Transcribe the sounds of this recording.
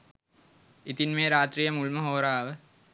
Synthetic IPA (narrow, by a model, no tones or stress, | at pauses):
it̪inmeːɾaːt̪riːjɐmuɭmɐɦoːɾaːʋə